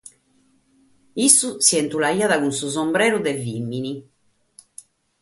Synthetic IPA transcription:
isusiɛnt̪ulaiːaðaɣunsuzɔmbɾɛːɾuðɛvimːini

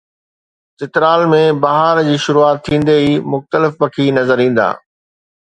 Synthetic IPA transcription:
t̪ɪt̪ɾaːlmẽbɐɦaɾd͡ʑiːʃʊɾuaːt̪ʰːĩːn̆d̪eiːmʊxt̪əlɪfpɐkʰinɐzəɾĩːn̆d̪a̰ː

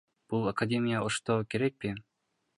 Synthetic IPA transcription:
b̥ulˠɐkɐdʲemʲɪjaoʂt̪okʲeɾek̚pʲe

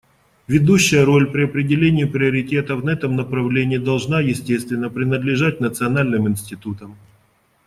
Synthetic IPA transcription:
vʲɪd̪uɕːɪjəɾo̞lʲpɾʲɪɐpɾʲɪdʲɪlʲenʲɪjɪpɾʲɪəɾʲɪtʲe̞t̪əfnɐɛt̪əmnəpɾɐvlʲenʲɪːd̪ɐlˠʐnajɪsʲtʲest̪vʲɪnːəpɾʲɪnəd̪lʲɪʐat̚ʲnət̪sɨɐnalʲnɨmɪnʲsʲtʲɪt̪ut̪əm

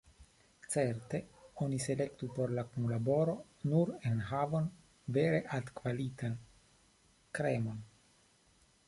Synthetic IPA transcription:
t͡seɾt̪e̞o̞nise̞lekt̪upo̞ɾlakunlabo̞ɾo̞ | nuɾenɦavo̞n | veɾe̞ʔad̪kvalit̪an | kɾemo̞n

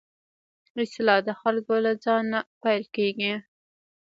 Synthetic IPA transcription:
ɪslɑd̪əxalkolad͡zɑnapajlkeɡi

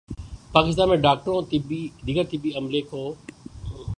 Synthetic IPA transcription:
paːkɪs̬t̪aːnmẽɖaːk̚ʈɾõt̪ɪbid̪ɪkət̪ɪbiɐmlekʰoː

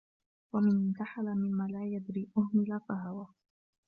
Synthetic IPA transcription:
wamɪnɪnt̪aħalamɪmːaːlaːjad̪ɾiːʔʊhmɪlafaɦawaː

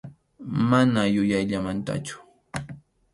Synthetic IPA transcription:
manajʊjajʎamant̪a̰t͡ʃʊ̥

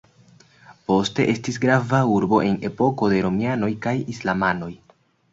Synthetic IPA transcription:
po̞ste̞ʔe̞stisɡɾavauɾbo̞ʔe̞ne̞po̞ko̞de̞ɾo̞miano̞jkajislamano̞j

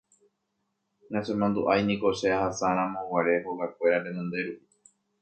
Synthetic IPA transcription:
ŋãsemãnd̪uʔajnĩko̞ʃeahasaɾ̃ãmõ̞waɾe̞hoɡakʷe̞ɾaɾẽ̞nõnd̪e̞ɾupi

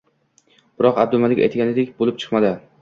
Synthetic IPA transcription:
b̥ɪɾɒqabd̪ʊlˠmalɪkʲa̰jt̪ɡʲanɪd̪ekʲbolˠɪp̚t͡ʃʰɨ̥qmad̪ɪ

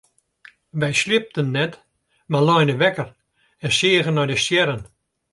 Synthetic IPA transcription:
ʋɛjslɪp̚tənːɛt | malɔjnəʋɛkər | ɛnsiəɣənɔdəsjɛɾən

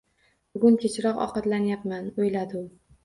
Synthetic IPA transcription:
b̥ʊɡʊnkʲʰet͡ʃʰɾɒqɒ̰qɑt̪lanjapmanojlad̪ɪʊ

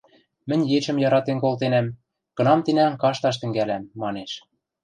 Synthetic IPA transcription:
mɘ̆nʲjet͡ɕɘ̆mjɑɾɑt̪enkolt̪enæm | kɤ̆nɑmt̪inæŋkɑʃt̪ɑʃ̬t̪ɘ̆ŋɡælæmːɑneʃ

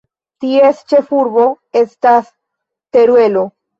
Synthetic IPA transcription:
tiest͡ʃe̞fuɾbo̞ | e̞stas | te̞ɾwe̞lo̞

